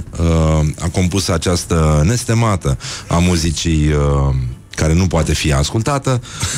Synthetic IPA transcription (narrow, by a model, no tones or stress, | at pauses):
əa̰ko̞mpusəat͡ʃast̪əne̞st̪emat̪əamuzit͡ʃijə | kaɾe̞nupoat̪e̞fiaskult̪at̪ə